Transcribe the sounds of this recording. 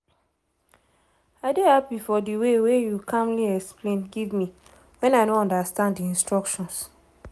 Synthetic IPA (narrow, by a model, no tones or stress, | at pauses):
aɪdehapifɔdiwewejukʰãmliɛksplẽnɡivmi | wɛ̃naɪnoɔ̃ndastãndiĩnstɹɔkʃɔ̃ns